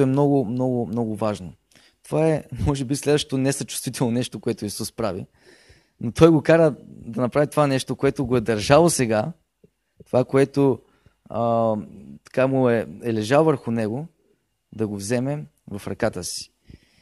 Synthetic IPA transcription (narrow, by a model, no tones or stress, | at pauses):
ʊɛmnɔɡʊmnɔɡʊmnɔɡʊvaʒno | t̪ovaɛmɔʒɛbislɛd̪vəʃt̪o̥t̪onɛsɐt͡ʃu̥st̪vit̪ʰɛlˠnonɛʃt̪okoɛt̪oisuspɾavḭ | not̪ʰɔjɡokaɾəd̪ɐnɐpɾavit̪ovanɛʃt̪okoɛt̪oɡoɛd̪ɐɾʒalˠosɛɡa | t̪ovakoɛt̪o | ə | t̪ɐ̥kamʊɛɛlɛʒalˠvəɾxʊnɛɡo | d̪ɐɡovzɛmɛ | vɐfɾɐkat̪əsi̥